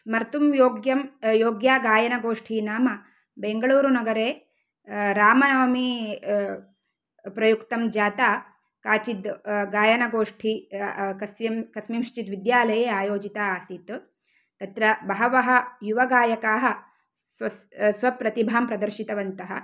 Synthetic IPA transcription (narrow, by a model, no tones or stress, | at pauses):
mɐɾt̪umjoːɡjɐmjoːɡjaːɡaːjɐnɐɡoːʂʈʰiːnaːmɐ | beŋɡɐɭuːɾunɐɡɐɾeː | ɾaːmɐnɐʋɐmi | pɾɐjukt̪ɐmd͡ʒaːt̪aː | kaːt͡ʃid̪ɡaːjɐnɐɡoːʂʈʰikɐsʋjɐmkɐsmimʃt͡ʃit̪ʋid̪jaːlɐjeːaːjoːd͡ʒit̪aaːsit̪ | t̪ɐt̪ɾɐbɐɦɐʋɐɦɐ̆juʋɐɡaːjɐkaːɦɐ̆ | sʋɐpɾɐt̪ibʱaːmpɾɐd̪ɐɾʃit̪ɐʋɐnt̪ɐɦɐ̰